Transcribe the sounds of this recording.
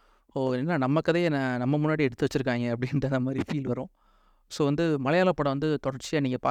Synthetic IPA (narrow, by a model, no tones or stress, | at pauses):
oːnːaːnɐmːɐkːɐðenɐnɐmːɐmʊnːaːɽiɛɽɯt̪ːɯʋɐt͡ʃːɯɾɯk̬ːaːŋɡɐːpːɐɽɪnɐnðd̪ɐmaːd̪ɾifiːlʋɐɾʊ̃ː | soːʋɐnd̪ɯmɐlɐjaːlɐpːɐːɽɐʋɐnd̪ɯt̪ɔɽɐɾt͡ʃːiɐniːŋɡɐpaː